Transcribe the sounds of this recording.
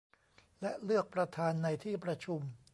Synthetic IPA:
lɛ˦˥lɯ˥˩ək̚pɾa˧t̪ʰaː˧nːa˧jt̪ʰiː˥˩pɾa˧t͡ɕʰu˧m

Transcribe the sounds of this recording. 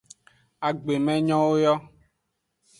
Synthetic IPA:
a˨ɡ͡be˨mɛ̃˦ɲɔ̃˦wo˦jɔ˦

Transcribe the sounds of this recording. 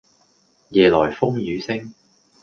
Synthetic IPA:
jɛː˨lɔː˨˩jfʊ˥ŋjyː˨˧sɪ˥ŋ

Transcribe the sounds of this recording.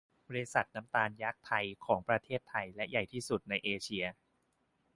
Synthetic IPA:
bɔː˧ɾi˧˥sa˨˩t̪̚na˦˥mt̪aː˧nja˦˥k̚t̪ʰa˧jkʰɔː˩˦ŋpɾa˧t̪ʰeː˥˩t̪ʰːa˧jlɛ˦˥ja˨˩jt̪ʰiː˥˩su˨˩t̪̚na˧jʔeː˧t͡ɕʰi˧ɐ

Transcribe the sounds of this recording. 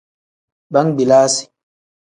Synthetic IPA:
ba˦ŋɡ͡bi˨laː˦si̥˨

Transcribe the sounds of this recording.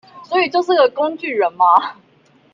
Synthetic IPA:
swɔ˧˥i˨˩t͡ɕjo˥˧ʊʂ̬ɻ̩˥˧ɡə˨˩ko˥ŋt͡ɕy˥˩ɻə˨˦nma˦

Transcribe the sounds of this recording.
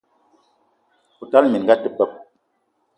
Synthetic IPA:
pu˨ta˦lmi˨n˨ɡa˦tə˦pːə˦p̚

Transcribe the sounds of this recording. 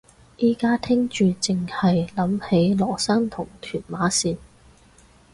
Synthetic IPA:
jiː˨˥kaː˥t̪ʰɪ˥ŋt͡ʃyː˨t͡sɪ˨ŋhɐ˨jlɐ˨˥mhe˨˥jlɔː˨˩saː˥ŋt̪ʰʊ˨˩ŋt̪ʰyː˨˩nmaː˨˥siː˨˧n

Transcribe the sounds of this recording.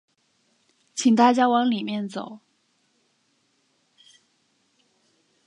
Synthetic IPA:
t͡ɕʰi˨˩ŋt̪a˥˩t͡ɕja˥wɑ˧˥ŋli˨˩mjɛ˥˩nt͡so˨˩˦ʊ

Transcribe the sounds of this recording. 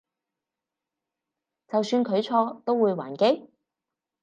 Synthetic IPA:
t͡sɐ˨wsyː˧nkʰɵ˨˧ɥt͡sʰɔː˧t̪o˥wuː˨˧jwa̰ː˨˩nke˥j

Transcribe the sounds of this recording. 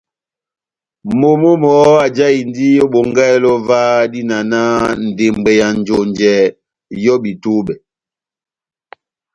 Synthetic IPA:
mo˨mo˦mɔ˨˦a˨d͡ʒa˦i˨n˦di˦jo˦ɓo˨ŋɡɛ˦˨lɔ˦vaː˦di˦na˨na˦n̩˨de˨m˨ɡ͡bɛ˨ja˨n˨d͡ʒo˨nd͡ʒɛ˨˦ | jɔ˦bi˨tu˦bɛ˨

